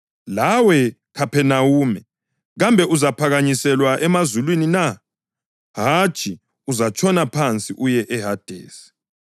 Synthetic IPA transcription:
lawɛ | kʰapʰɛnawuːmɛ | ɣambʱɛuzapʰaɣaɲisɛlwaʔɛmazulwinina | ɦat͡ʃʰʼi | uzat͡ʃʰʼɔnapʰant͡sʼiʔujɛʔɛɦad̥ʱḛːsi̥

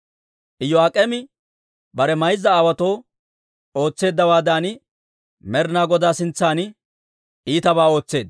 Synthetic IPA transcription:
ʔɪjːɔaːkʼɛmɪ | bɐɾɛmɐjzːɐːwɐt̪o̞ː | o̞ːt͡sːe̞ːd̪ːɐwaːd̪aːnɪ | mɛɾnaːɡɔd̪aːsɪnt͡sːaːnɪ | ʔiːt̪ɐbaːo̞ːt͡sːe̞ːd̪̚

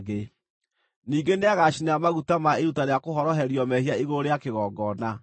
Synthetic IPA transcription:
ɡe | niːɡeneaɣaʃinamaɣutamaeɾutaɾeakoɦɔɾɔɦɛɾiɔmɛhiaiɣoɾeakeɣɔːɡɔna

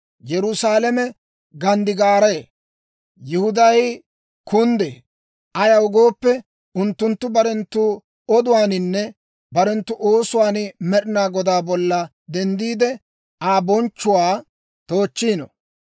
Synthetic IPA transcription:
jɛɾʊsaːlɛmɛ | ɡɐnd̪ɪɡaːɾɐ | jɪhʊd̪ɐj | kʊnd̪eː | ʔɐjɐwʊɡoːpːɛ | ʊnt̪ːʊnt̪ːʊbɐɾɛnt̪ːʊ | ɔd̪ʊwaːnɪnːɛ | bɐɾɛnt̪ːʊʔo̞ːsʊwaːnmɛɗɪnaːɡɔd̪aːbɔlːɐ | d̪ɛnd̪iːd̪ɛ | aːbɔnt͡ʃːʊwaː | t̪o̞ːt͡ʃːiːnɔ̰

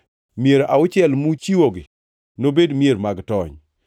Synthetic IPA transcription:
mjeɾʔaʊt͡ʃɪɛlmut͡ʃiwoɡɪ | nobedmjeɾmaɡtɔɲ

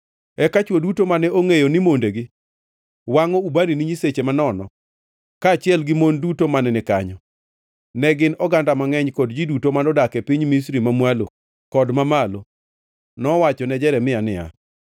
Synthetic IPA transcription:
ɛkat͡ʃwodutomanɛoŋejonimondeɡɪ | waŋɔubaniniɲiset͡ʃemanɔnɔ | kaːt͡ʃɪɛlɡɪmondutomanɛnɪka̰ɲɔ | nɛɡɪnɔɡandamaŋɛɲkɔdd͡ʒidutomanɔdakɛpiɲmis̬ɾimamwalo | kɔdmamalo | nɔwat͡ʃɔnɛd͡ʒɛɾɛmɪanɪa̰

